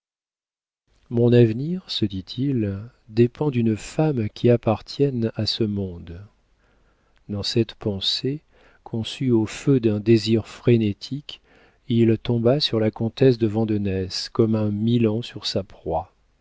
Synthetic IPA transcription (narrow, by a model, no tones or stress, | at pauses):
mɔ̃navniʁsəd̪it̪ʰil | d̪epɑ̃d̪ynfamkʲʰiapaʁt̪ʰjɛnasəmɔ̃d̪ | d̪ɑ̃sɛt̪pɑ̃se | kʰɔ̃syofød̪ɛ̃d̪eziʁfχenet̪ʰik | ilt̪ɔ̃basyʁlakɔ̃t̪ɛs̬d̪əvɑ̃d̪ɔnɛskɔmɛ̃milɑ̃syʁsapχwa